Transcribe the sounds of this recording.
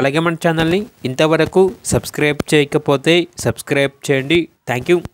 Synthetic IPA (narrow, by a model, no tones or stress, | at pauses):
ɐlaːɡeːmɐɳʈt͡ʃaːnɐlniːnt̪ɐʋɐɾɐkusɐbskɾɐjb̚t͡ʃɛːjɐkɐpoːt̪eːsɐbskɾɐjb̚t͡ʃɛːjɐɳɖit̪ʰaːŋkjuː